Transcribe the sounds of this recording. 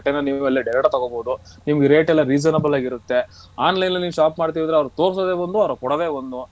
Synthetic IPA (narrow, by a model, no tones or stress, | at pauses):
ʈːenːɐniːuɛlːɐɖɛɾɐʈt̪ɐɡoboːd̪unimɐɡeɾeːʈɛlːɐɾiːd͡ʒɐnɐbɐlaːɡiɾut̪ːe̞ | aːnlɐjnːɐniːʋuʃaːpmaːɽt̪̬iːʋid̪ɾeɐʋɐɾut̪o̞ːɾs̬od̪eːʋond̪uɐʋɐɾɐkɔɽɐd̪eːʋond̪u